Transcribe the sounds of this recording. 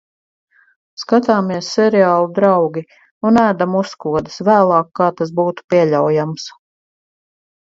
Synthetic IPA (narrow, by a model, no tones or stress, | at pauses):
skat̪aːmiɛsːɛɾɛaːlˠud̪ɾaɑwɡʲi | unæːd̪amuskuɔd̪ɨsvæːlˠɑːkːaːt̪as̬buːt̪u̥piɛʎʲawjams